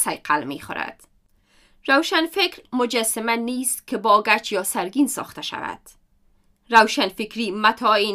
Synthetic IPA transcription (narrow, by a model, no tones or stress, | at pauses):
sajqʰalmḛxʊ̰ɾa̰d̪̥ | ɾawʃanfɪkɾmʊd͡ʒasamaniːst̪kɪbɒɡat͡ʃjɒsaɾɡinsɒ̰xt̪aʃa̰va̰d̪̥ | ɾawʃanfɪkɾimat̪ʰɒi